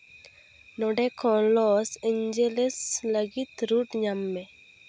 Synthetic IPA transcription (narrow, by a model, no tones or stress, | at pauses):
nɔɖekʰɔlɔseɲd͡ʒelesləɡit̪ɾuʈɲamːe